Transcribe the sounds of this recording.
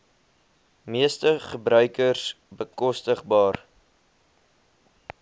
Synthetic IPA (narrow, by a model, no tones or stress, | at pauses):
miəstəχəbɾœɥkərs | bəkɔstəχbɑːr